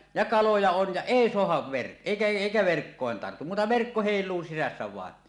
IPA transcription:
jɑ kɑlojɑ on jɑ eˑi soɑhɑʋ ʋerk eˑikæ eˑikæ ʋerkːoˑen tɑrtu muːtɑ ʋerkːo heˑilˑuː sisæsːæ ʋɑˑen

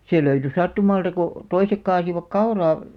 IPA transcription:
seˑ løyty sɑtːumɑltɑ ko toisek kɑːsiʋɑk kɑurɑː

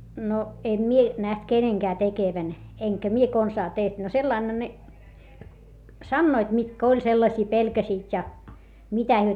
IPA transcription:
no em mie næht keneŋkæː tekeʋæn eŋkæ mie konsɑː teht no selːɑinhɑ ne sɑnːoit mitkæ olʲ selːɑsʲiː pelkæsiːt jɑ mitæ hyø

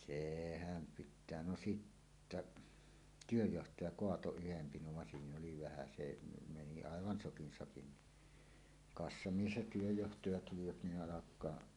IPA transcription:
sehæm pitˑæː no sitːæʔ tyøjːohtɑjɑ koɑto yhem pinoʋ ʋɑn siːn oli ʋæhæ se ne meni ɑˑeʋɑn sokin sɑkin ni kɑsːɑmies jɑ tyøjːohtɑjɑ tuliʋɑt ni ʔɑlɑkˑɑː

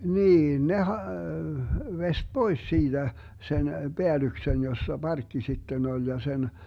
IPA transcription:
niːn ne hɑ ʋest b̥ois siːd̥æ sen b̥eælyksen josːɑ bɑrkːi sitːen olʲ jɑ sen

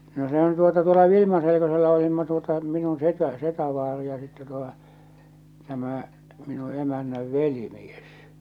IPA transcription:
no sehæn tuotɑ tuolɑ ʋilimɑselekoselːɑ olimːɑ tuotɑ minun setæ setæʋɑːri jɑ sitːɛ tuotɑ̥ tæmæˑ minu emænːæʋ ʋelimies

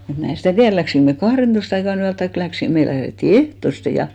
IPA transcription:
mut mæ en̞ stæˑ tiær læksiŋk me kɑhrentoist ɑikɑn yæl tɑik læksin me læhretːi ehtoste jɑ

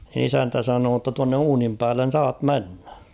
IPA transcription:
isæntæ sɑnoː tːɑ tuɑnːe uːnim pæːlːen̞ sɑːt menːæ̥

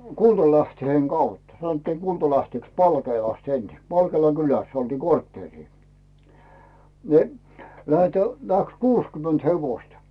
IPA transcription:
kultɑlæhtheŋ ɡ̊ɑut sɑnotːiːŋ ɡ̊ultɑlæhteˑks pɑlkeːlɑst ensi pɑlkeːlɑ kylæsː oltiː kortːeːriː ni̞ læhetæ læks kuːskyment heʋoistɑ

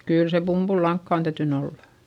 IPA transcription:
kyˑl se pumb̥ulːɑŋkːɑˑ on tæytyn olːɑ̥

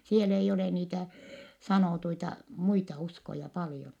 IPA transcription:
siel eijː ole niːtæ sɑnoˑtuitɑ muitɑ uskojɑ pɑljon

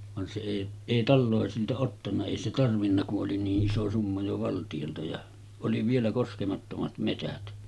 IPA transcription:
ʋɑn se eˑi eˑi tɑlːoˑesiltɑ otːɑnːɑ eˑi se tɑrʋinːɑ kuʔ ʔoli niːʔ ʔiso sumːɑ jo ʋɑltij̆oltɑ jɑ oli ʋielæ koskemɑtːomɑt metæt

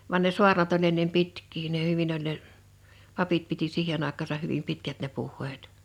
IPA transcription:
ʋɑn ne su̞ɑrnɑt olʲ enːem pitkˑiː ne hyʋin olʲ ne pɑpit piti siːhen ɑˑekˑɑːsɑh hyʋim pitkæt ne puhˑeːt

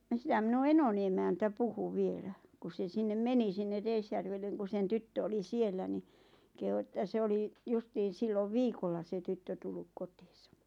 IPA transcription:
jɑ sĭtæm minu enoni emæntæ puhu ʋielæ ku se sinːem meni sinːe reisjærʋelːeŋ ku sen tytːø oli sielːæ ni kehu ĕtːæ se oli justiːn̞ silːoʋ ʋiːkolːɑ se tytːø tulːuk kotiːsɑ̥

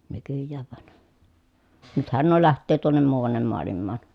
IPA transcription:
nykyjːæːʋ ʋɑn nythæn nuo læhtˑøː tuonːem muːɑnːem moɑlimːɑːn

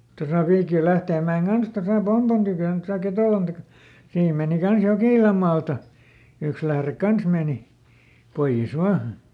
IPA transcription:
tosɑ ʋiːkil læhteːmːæeŋ kɑns tosɑ pompon tykøˑn tosɑ ketoˑlɑn tɑkɑ siːm meˑni kɑns jokiˑlɑm mɑːltɑ yks læhrek kɑns meˑni poij̆es ʋɑː

